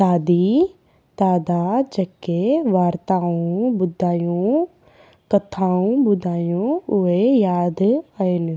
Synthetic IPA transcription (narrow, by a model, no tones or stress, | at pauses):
aːd̪iː | d̪aːd̪aːd͡ʒəkːeʋaːɾt̪aːũːbʊd̪ʱːaːjõː | kət̪ʰːaːũːbʊd̪ʱaːjõʊejaːd̪aen